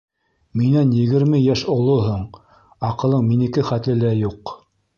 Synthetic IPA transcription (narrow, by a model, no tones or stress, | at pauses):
minænjɘ̆ɡɘ̆ɾmɘjæʃŏlˠoɦoɴ | ɑqɤ̆lˠɤɴminɘ̆kɘχæt̪lɘ̆læjuq